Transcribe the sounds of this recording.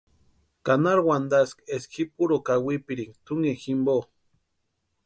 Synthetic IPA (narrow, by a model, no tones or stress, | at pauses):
kanaɾwand̪askesxipuɾokawipiɾiŋt̪uŋeximbo